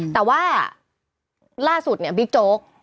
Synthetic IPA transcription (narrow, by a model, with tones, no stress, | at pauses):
t̪ɛː˨˩waː˥˩ | laː˥˩su˨˩t̪̚ni˥˩ɐbi˦˥k̚t͡ɕoː˦˥k̚